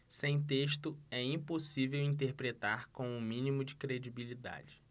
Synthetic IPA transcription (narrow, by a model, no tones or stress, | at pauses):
sẽj̃t̪̬eʃt̪ʊɛĩposivewĩnt̪̬eɾpɾet̪aɾkõw̃ʊmĩnimʊd͡ʒɪkɾed͡ʒibilid̪a̰d͡ʒɪ